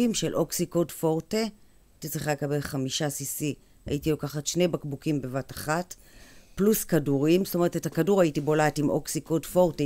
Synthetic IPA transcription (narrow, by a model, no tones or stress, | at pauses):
imʃe̞lʔo̞ksikodfo̞ʁte | itit͡sʁiχalekabe̞lχamiʃasisi | a̰itilo̞kaχatʃne̞jbakbukimbe̞vataχat | pluskaduʁimstome̞etethakaduʁaitibo̞latimʔo̞ksikodfo̞ʁte